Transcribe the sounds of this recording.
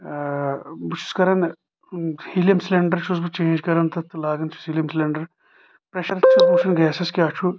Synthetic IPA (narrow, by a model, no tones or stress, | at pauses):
but͡ʃʰu̥skɐɾɐn | hiljɐmsleɳɖɐɾt͡ʃʰuzbɨt͡ʃẽːnd͡ʒkɐɾɐnt̪ʰɐt̪ulaːɡɐnt͡ʃʰu̥shiljɐmsleɳɖɐɾ | pɾeʃɐɾɐt͡ʃʰuzbuʃʰɐnɡɛːsɐskʲjaːt͡ʃʰu